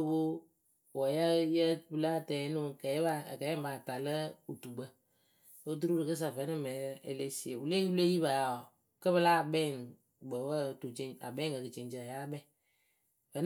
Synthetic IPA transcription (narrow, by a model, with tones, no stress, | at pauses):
bo˦ | wɔ˨ja˦jə˦bɨ˦la˦˨tɛ˨˦nu˦kɛ˨˦ba̰˦˨kɛ˨˦ɛ˦ma˨ta˨lə˦u˨tu˨ɡ͡bə˦ | o˦t̬u˦ɾu˦ɾɨ˨kɨ˦s̬a˨və˨˦nɨ˦˨mɛ˨˦e˨le˦si˨e˨wu˨le˦wu˦le˦ji˦βa˨ja˨ | kə˦βɨ˦la˦˨bɛ˦˨ŋ | ɡ͡bə˨wə˦˨tu˨t͡ʃe˨˦a̰˨bɛ˦kə˨kɨ˨t͡ʃe˨nt͡ʃə˨a˨ja˦bɛ˦˨ | və˨˦n˦